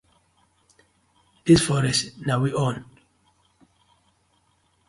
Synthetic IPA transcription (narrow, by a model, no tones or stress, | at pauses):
disfɔɾɛsnawiʔɔ̃n